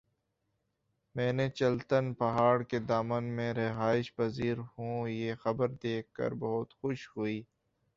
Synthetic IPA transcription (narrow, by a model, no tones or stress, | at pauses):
mɛ̃ːnet͡ʃɐlt̪ənpɐɦaːɽked̪aːmənmẽɾɪɦaːɪʃpɐziːɾɦũjexɐbəɾd̪eːkːə̰ɾbɐɦʊt̪xʊʃhuiː